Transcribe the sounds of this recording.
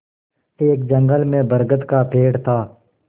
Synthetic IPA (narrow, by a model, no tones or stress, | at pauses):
eːk̚d͡ʒə̃ŋɡəlmẽːbəɾɡət̪kaːpʰeːɽt̪ʰaː